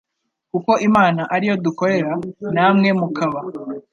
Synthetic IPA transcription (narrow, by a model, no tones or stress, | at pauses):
kuko̞ʔimaːnaʔaɾijo̞duko̞ɾe̞ɾanaːmŋe̞mukaβa